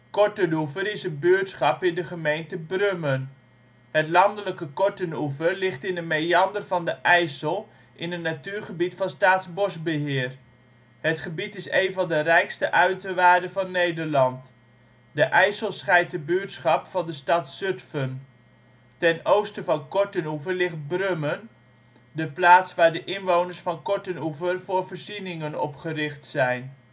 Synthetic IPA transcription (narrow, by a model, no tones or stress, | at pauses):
kɔɹtənufəɾɪsənbyːtsχɑpɪndəχəmejntəbrømən | hətlɑndələkəkɔɹtənufərlɪχtɪndəmejɑndərvɑndəʔɛjsəlˠ | ʔɪnətnatyːɹχəbitfɑnstaːtsbɔsbəɦɪːər | hətχəbitɪsejnvɑndərɛjkstəʔœɥtəʋaːɹdəvɑnːejdərlɑnt | dəʔɛjsəlˠsχɛjt̚dəbyːtsχɑpfɑndəstɑtsøtfən | tɛnowstəvɑnkɔɹtənuvərlɪχt̚brømən | dəplaːtsʋaːɹdəʔɪnʋownəɹsfɑnkɔɹtənuvərvʊːɹvəɹzinɪŋənɔ̰pχərɪχtsɛjn